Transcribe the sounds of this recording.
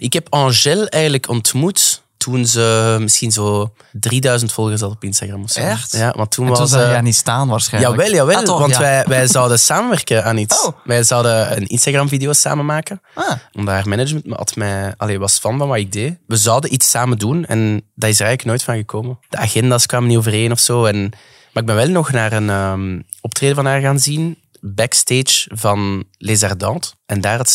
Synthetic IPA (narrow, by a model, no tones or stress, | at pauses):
ʔɪkɦɛpɑ̃ʒɛlˠɛːɣəndləkɔntmutːʰ | unzəmɪsxinzoː | driːdœɥzəntfɔlˠɣərsɑtɔpɪnstaɣrɑmɔfsajjaːʋʔɑ̰ntʰːunʋɑzəanistaːnʋaːrsxɛjaʋɛlˠjaːʋɛlˠʋɑntʋɛjʋɛjzɑwdəsaːmənʋɛrkəaːnitsʋɛjzɑwdəə̰nɪ̰nstaɣrɑmvideoːsa̰ːmənmaːkənaɔmdaːrmɛnəd͡ʒməntməɑ̰tmɛɑleːʋɑsfɑnvɑnʋaːɪɡ̚deʋəzɔwdənʔitsaːmədunɛ̰ndaːrɪs̬ərɛɣələknoːjtfɑnɣəkʰoːməd̥əaɣɛndaːskwaːmənioːvəreːnɔfsoːɛn | marɪɡ̚bɛnʋɛlˠnɔxnaːrənəːm | ɔptreːdəvɑnɦaːrɣaːnzin | bɛksteːt͡ʃvɑnlezardɑ̃ːtɛndaːrət